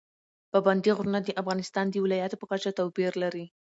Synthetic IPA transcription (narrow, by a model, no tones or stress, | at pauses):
paband̪iɣɾunad̪əʔafɣɑnɪst̪ɑnd̪əwɪlɑjat̪opəkat͡ʃat̪awpiɾlaɾi